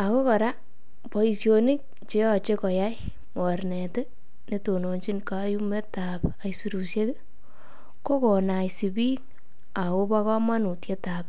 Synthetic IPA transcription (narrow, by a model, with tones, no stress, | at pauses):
a˨ko˦kɔ˨ɾa˦ | pɔ˦i˨sjo˧ni˦k̚ | t͡ʃe˦ɔ˨t͡ʃe˦kɔ˨ja˦j | mɔ˨ɾne˨te˦ | ne˦to˨no˨ɲt͡ʃi˦nka˦ju˦me˦ta˨pa˨isu˨ɾu˨sje˦k | ko˦ko˨na˨jsi˨bi˦ŋ | a˨ko˦ba˦kɔ˦ma˦nu˨tje˦ta˨p